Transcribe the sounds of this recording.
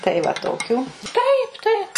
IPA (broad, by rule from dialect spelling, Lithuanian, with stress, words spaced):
tɐɪ ʋɐ ˈtoːkʲuː ˈtɐɪp ˈtɐɪp